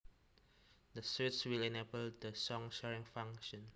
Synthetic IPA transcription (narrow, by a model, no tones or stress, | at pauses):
d̪əsiswilɛnebəldəsɔ̃ŋʃɛɹĩŋfãŋʃɔ̃n